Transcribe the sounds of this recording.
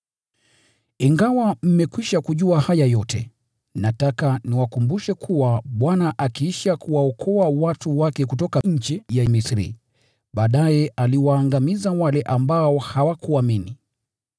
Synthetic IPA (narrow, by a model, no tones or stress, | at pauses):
iŋɡawam̩mɛkwiʃakuʄuahajajɔtɛ̰ | natakaniwakumbuʃɛkʰuwaɓwanaʔakiiʃakuwaɔkʰɔawatuwakɛkutɔkaɲ̩t͡ʃijamisɾḭ | ɓaːɗajɛʔaliwaːŋɡamizawalɛʔambaɔhawakuamini